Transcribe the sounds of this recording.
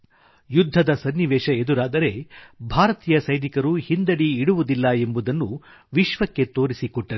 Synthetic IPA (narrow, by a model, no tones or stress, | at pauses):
jud̪ʱːɐd̪ɐsɐnːiʋɛːʃɐed̪uɾaːd̪ɐɾe̞bʱaːɾɐt̪iːjɐsɐjd̪ikɐɾuhind̪ɐɽiːɽuʋud̪ilːɐe̞mbud̪ɐnːu | ʋiʃʋɐkːe̞t̪o̞ːɾisikɔʈːɐɾ